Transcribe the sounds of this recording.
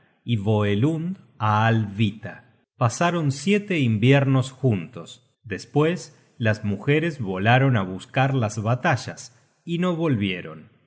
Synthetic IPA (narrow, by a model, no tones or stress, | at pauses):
iβo̞elund̪ | aːlβit̪a | pasaɾo̞nsjet̪eimbjeɾno̞sxunt̪o̞s | d̪espwes | lazmuxeɾezβo̞laɾo̞naβuskaɾlazβat̪aʒas | ino̞βo̞lβje̞ɾo̞̰n